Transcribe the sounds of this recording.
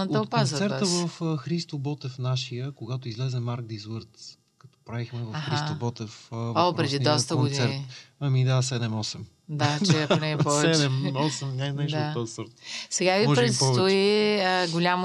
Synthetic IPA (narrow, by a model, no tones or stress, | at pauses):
əokpːazsɛɾt̪əvɐfəxɾist̪obɔt̪ɛfnaʃijəkoɡat̪oizlɛzɛmaɾɡ̚d̪izəɾt̪ | kɐt̪ɔ̥pɾavixmɛvəaɦxɾiast̪obɔt̪ɛfvopɾɛd̪id̪ɔst̪əɡod̪iɛɾit̪ɐmid̪asɛd̪ɛmɔsɛm | d̪at͡ʃɛonɛɛpvɛɛt͡ʃd̪ɛmɔsɛmnʲajnɛʃd̪aɔsəɾt̪sɛɡavimɔpɾɛt̪sɔt̪oiəɡʊlʲam